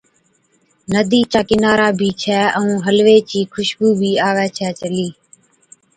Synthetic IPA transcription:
nəd̪ʱiːt͡ʃaːkɪnaːɾaːbʱiːt͡ʃʰɛːʔəũːɦəlʋeːt͡ʃiːkʰʊʃbuːbʱiːaːʋɛːt͡ʃʰɛːt͡ʃəliː

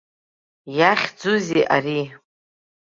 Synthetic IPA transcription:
jaχʲd͡zuziʔari

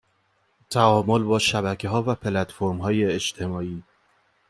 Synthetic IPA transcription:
t̪ʰæɒːmo̞lbɒːʃæbækʰeɦɒːvæpʰelæt̪foɾmɦɒːje̞ed͡ʒt̪ʰe̞mɒːiː

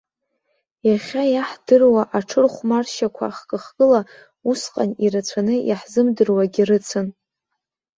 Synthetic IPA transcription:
jaχʲajaħd̥ɨrwaʔaʈ͡ʂʰɨrχʷmarʃakʷʰa̰χkʼɨχɡʼɨla | usqʼa̰niɾat͡sʷʰanɨjaħzɨmdɨrwaɡʲirɨt͡sʰɨn

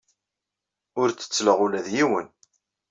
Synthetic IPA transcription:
ʊɾt͡sːə̥t͡sːləʁulæðjiwən

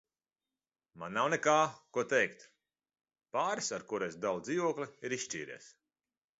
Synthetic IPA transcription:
manːawnɛkaːkuɔt̪ɛjkt̪ | paːɾisaɾkuɾejsd̪ald̪zʲiːvuɔklʲiiɾisʃt͡ʃʲiːɾḭːs

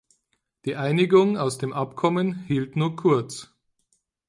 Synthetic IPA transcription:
d̥iːʔaɪnɪɡʊŋaʊsd̥eːmʔapkʰɔmənhiːltnuːɐkʰʊɐt͡s

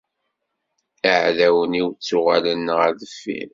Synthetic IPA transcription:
iʕðæwəniwt͡sːʊʁa̰lənːəʁæðəfːḭn

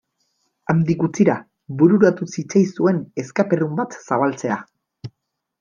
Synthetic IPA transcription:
amd̪ikut͡siɾa | βbuɾuɾat̪usit͡sajsue̞ne̞skape̞rumbat̪saβalt͡se̞a

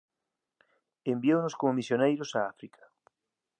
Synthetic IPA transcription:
embiownʊskomomisjonejɾʊsaafɾikʰḁ

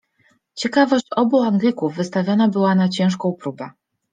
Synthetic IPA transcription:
t͡ɕɛkavɔɕt͡ɕɔbuaŋɡlʲikuvːɘst̪avʲjɔnabɘwanat͡ɕɛ̃w̃ʂkɔ̃w̃pɾubɛ

